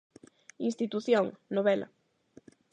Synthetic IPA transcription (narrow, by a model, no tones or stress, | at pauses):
inst̪it̪uθjoŋnoβɛlɐ̰